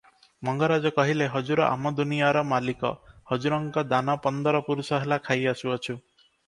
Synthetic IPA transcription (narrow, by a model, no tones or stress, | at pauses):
mɔŋɡɔɾad͡ʒɔkɔɦileɦɔd͡ʒuɾɔʔa̰mɔd̪unijaɾɔmalikɔ̰hɔd͡ʒuɾɔŋkɔd̪anɔpɔnd̪ɔɾɔpuɾusɔɦelakʰajasuɔt͡ʃʰu